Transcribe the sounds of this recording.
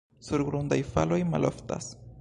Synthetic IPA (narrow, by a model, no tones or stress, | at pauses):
suɾɡɾund̪ajfalojma̰lʔo̰fta̰s